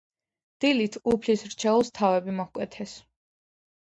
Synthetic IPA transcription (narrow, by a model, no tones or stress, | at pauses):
d̪̥ilit̪ʰupʰlisɾt͡ʃʰɛulˠst̪ʰavɛbimɔhkʼwɛt̪ʰɛs